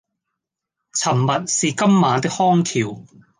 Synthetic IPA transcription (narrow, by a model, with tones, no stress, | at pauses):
t͡sʰɐ˨˩mːɐ˨t̚siː˨kɐ˥mːaː˨˧t̪ɪ˥k̚hɔː˥ŋk̪ʰiː˨˩w